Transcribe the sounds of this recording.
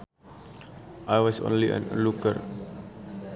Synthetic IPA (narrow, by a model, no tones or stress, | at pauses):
ʔajwɔsõ̰nliʔɛ̰̃nə̰lukə̰r